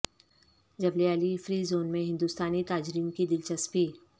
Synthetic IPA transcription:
d͡ʒɐbleɐlifɾiːzoːnmẽɦɪ̃nd̪ust̪aːnit̪aːd͡ʒɾiːnkid̪ɪlt͡ʃɐspiː

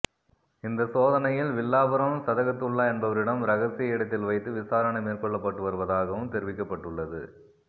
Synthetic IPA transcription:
ɪnd̪ɐsoːðɐnɐjɪlʋɪlːaːbɐɾɐmɯmsɐðɐɣɐt̪ːɯɭːɐɛnbɐʋɐɾɪɽɐmɾɐɣɐsɪjɐɪɽɐt̪ːɪlʋɐɪt̪ːɯʋɪsaːɾɐɳɐmeːrkɔɭːɐpːɐʈːɯʋɐɾɯʋɐðaːɣɐʋɯmt̪ɛɾɪʋɪkːɐpːɐʈːɯɭːɐðɯ̰

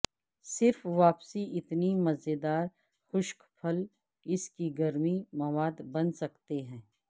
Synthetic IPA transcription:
sɪɾfʋaːpsiɪt̪nimɐzed̪aːɾ | xʊʃkpʰɐl | ɪskiɡɐɾmimɐʋaːd̪bɐ̃nsɐkt̪eɦɛ̃ː

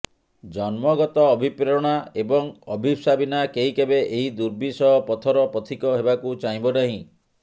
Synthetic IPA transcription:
d͡ʒɔnmɔɡɔt̪ɔːbʱipɾɾɔɽ̃aebɔŋɔbʱibsabinakeɦikebeʔeɦid̪uɾbisɔɦɔpɔt̪ʰɔɾɔpɔt̪ʰikɔɦebakut͡ʃaɦĩbɔnaɦĩ

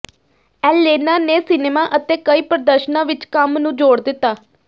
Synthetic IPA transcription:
ɛːleːnaːneːsɪneːmaːʔət̪eːkəiːpɾəd̪əɾʃnãːʋɪt͡ʃkəmnũːd͡ʒoːɽd̪ɪt̪ːaː

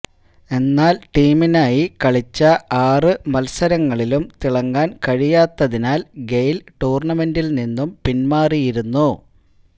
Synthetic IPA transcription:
e̞nːaːlʈiːminaːjikɐɭit͡ɕːɐaːrɨmɐlsɐɾɐŋːɐɭilumt̪iɭɐŋɡaːnkɐɻijaːt̪ːɐðinaːlɡejlʈuːrɳɐme̞ndilninːumpinmaːrijiɾunːu

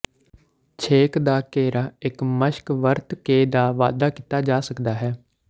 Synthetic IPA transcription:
t͡ʃʰeːkd̪aːkeːɾaːɪkməʃkʋəɾt̪keːd̪aːʋa̰ːd̪aːkɪt̪aːd͡ʒaːsəkd̪aːɦɛː

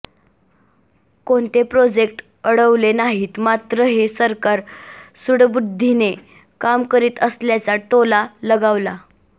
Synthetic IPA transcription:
koɳt̪epɾod͡ʑekʈ | əɽəʋlenaɦiːt̪mat̪ɾəɦesəɾkaɾsuɽbud̪ʱːine | kamkəɾiːt̪əsljat͡saʈolaləɡaʋla

